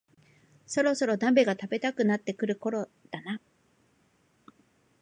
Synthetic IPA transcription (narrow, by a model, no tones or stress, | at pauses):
so̞ɾo̞so̞ɾo̞d̪ãmbe̞ɡat̪abe̞t̪akɯ̟nat̪ːe̞kɯ̟ɾɯ̟ko̞ɾo̞d̪̥ana